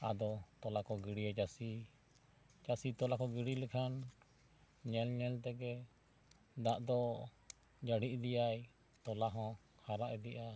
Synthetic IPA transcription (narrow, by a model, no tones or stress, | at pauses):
ad̪ɔt̪ɔlakɔɡiɽiad͡ʒasi | d͡ʒasit̪ɔlakɔɡiɽilɛkʰan | ɲɛlɲɛlt̪ɛɡɛ | d̪aʔd̪ɔ | d͡ʒaɽiʔd̪ijaj | t̪ɔlaɦɔ̃ | haɾaʔɛd̪iʔa